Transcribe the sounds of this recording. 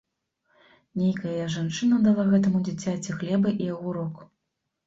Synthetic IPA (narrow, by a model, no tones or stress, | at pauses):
nʲejkɐjɐʐant͡ʂɨnɐd̪alˠaɣɛt̪ɐmud͡zʲit͡sʲat͡sʲiɣlʲɛbɨʔiɐɣuɾɔk